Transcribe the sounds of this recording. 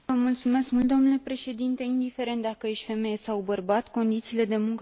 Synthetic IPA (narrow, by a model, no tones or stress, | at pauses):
əmult̪sume̞skmult̪d̪o̞mnule̞pɾe̞ʃe̞d̪int̪e̞ind̪ifeɾe̞nt̪̚d̪akəje̞ʃt̪fe̞me̞jesawbərbat̪ko̞nd̪it̪siːle̞d̪e̞muŋk